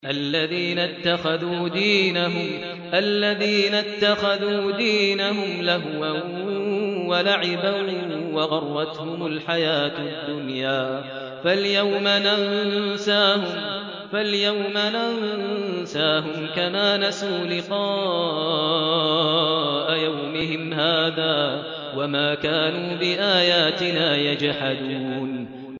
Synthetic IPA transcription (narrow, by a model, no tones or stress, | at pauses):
ʔalːaðiːnat̪ːaxaðuːd̪iːnaɦʊm | ʔalːaðiːnat̪ːaxaðuːd̪iːnaɦʊmlaɦwa | walaʕɪbawɑɣɑrˤːɑt̪hʊmʊlħajaːt̪d̪ːʊnjaː | faljawmanansaːhʊm | faljawmanannsaːɦʊmkamaːnasuːlɪqɑː | ʔajawmɪɦɪmhaːðaː | wamaːkaːnuːbɪʔaːjaːt̪ɪnaːjad͡ʒhad̪uːn